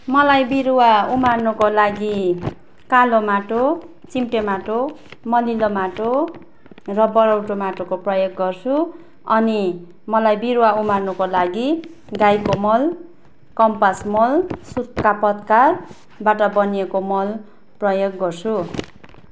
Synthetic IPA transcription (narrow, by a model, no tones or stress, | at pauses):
mʌlajbiɾuwaumarnukolaɡi | kalomaʈo | t͡simʈemaʈomʌlilomaʈo | rʌbʌɾʌwʈomaʈokoprʌjoɡːʌrt͡sʰu | ʌni | mʌlajbiɾuwaumarnukolaɡi | ɡajkomʌl | kʌmpasmolsut̪̚kapʌt̪kar | baʈʌbʌniekomʌl | prʌjoɡːʌrt͡sʰu